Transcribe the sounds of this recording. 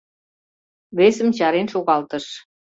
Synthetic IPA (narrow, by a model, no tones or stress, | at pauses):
βesə̆mt͡ɕɑɾenʃoɣɑlt̪əʃ